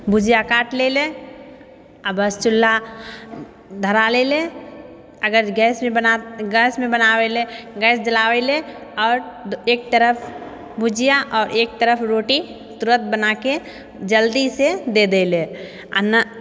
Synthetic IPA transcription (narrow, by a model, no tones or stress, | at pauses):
bʊd͡ʒijakaːʈlele | əbəst͡ʃʊlːa | d̪ʱəɾalele | əɡəɾɡɛːsmẽənɡɛːsmẽbənaːweleɡɛːsd͡ʒəlaːweleɔːɾeːk̚t̪əɾəpʰ | bʊd͡ʒijaʔɔːɾeːk̚t̪əɾəpʰɾoːʈi | t̪ʊɾət̪̚bənake | d͡ʒəld̪ised̪ed̪ele | ə̰n